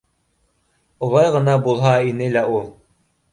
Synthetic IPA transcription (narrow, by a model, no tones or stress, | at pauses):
ulˠɑjʁɤ̆nɑbulˠɦɑinɘlæulˠ